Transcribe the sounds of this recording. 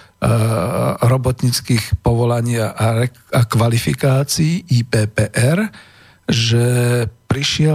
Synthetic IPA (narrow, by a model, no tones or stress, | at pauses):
ɾɔbɔt̪ɲiːt͡skiːxpɔʋɔlaɲɪaʔaɾɛ | akʋalifḭkaːt͡siiʔiːpɛːpɛːʔɛɾ | ʒɛpɾiʃɪɛ